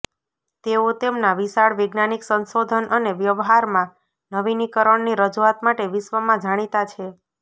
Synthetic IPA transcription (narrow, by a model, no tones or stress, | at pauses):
t̪eot̪emnaʋisaɭʋeɡnaniksənsod̪ʱənʔəneʋjəʋɦaɾmã | nəʋinikəɾəɳniɾəd͡ʒuat̪maʈeʋiʃʋəmãd͡ʒaɽ̃it̪at͡ʃʰe